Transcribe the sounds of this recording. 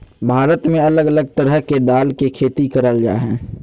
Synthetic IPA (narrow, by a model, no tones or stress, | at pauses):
bʱaːɾət̪mẽɐləɡələɡ̚t̪əɾəɦked̪aːlkekʰeːt̪ikəɾəld͡ʒa̰ːɦɛ̃ː